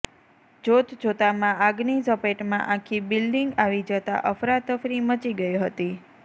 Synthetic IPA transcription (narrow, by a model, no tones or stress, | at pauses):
d͡ʒot̪ʰd͡ʒot̪amãaɡnisəpeʈmã̰ʔãkʰibilɖiŋɡaʋid͡ʒət̪a̰ʔəfɾat̪əfɾimət͡ʃiɡəjiɦət̪i